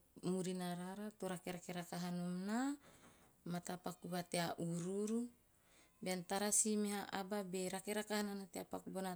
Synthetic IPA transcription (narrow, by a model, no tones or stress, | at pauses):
muɾinaɾaɾat̪oɾakeɾakeɾakaɦanomna | mat̪apakubat̪eaʔuɾuɾu | beant̪aɾasimiaʔababeɾakeɾakahananat̪eapakubona